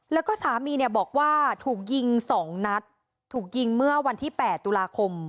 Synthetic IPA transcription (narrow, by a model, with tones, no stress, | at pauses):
lɛ˦˥wkɔː˥˩saː˩˦miː˧ni˥˩bɔː˨˩k̚waː˥˩t̪ʰuː˨˩k̚ji˧ŋsɔː˩˦ŋna˦˥t̪̚ʰː | uː˨˩k̚ji˧ŋmɯ˥˩ɐwa˧nt̪ʰiː˥˩pɛː˨˩t̪ːu˧laː˧kʰo˧m